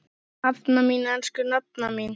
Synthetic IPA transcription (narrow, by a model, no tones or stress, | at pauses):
at̪naminanskʏnat̪̚namin